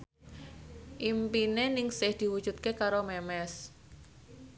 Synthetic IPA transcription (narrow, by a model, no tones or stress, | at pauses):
ʔimpinenɪŋsɪhd̪̥i̤wu̥d͡ʒ̥ut̪̚kekaɾomɛmɛs